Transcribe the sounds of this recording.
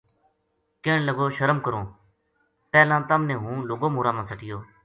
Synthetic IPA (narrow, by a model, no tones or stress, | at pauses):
keːɳləɡoːʃəɾəmkəɾõː | pɛːlãːt̪əmnẽːɦũːloːɡoːmuːɾãːmãːsəʈɪjoː